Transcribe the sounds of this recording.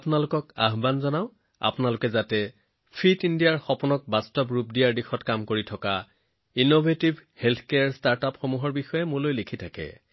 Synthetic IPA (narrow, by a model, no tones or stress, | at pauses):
apʊnalʊkɔka̰ɦbanzɔnaʊ̃ | a̰pʊnalʊkɛzatɛ | pʰitindijaɹxɔpɔnɔk̚bastɔpɹupdijaɹdixɔtkamkoɹitʰɔka | inobʱetibʱhelt̪ʰkejaɹstaɹtapxomuɦɔɹbixɔjɛmʊlojlikʰitʰakɛ̰